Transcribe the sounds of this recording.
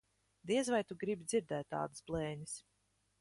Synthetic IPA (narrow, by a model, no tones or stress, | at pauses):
d̪iɛzvajt̪uɡɾibid̪z̥ʲiɾd̪ɛːt̪ːa̰ːd̪ɨsblˠɛːɲɨs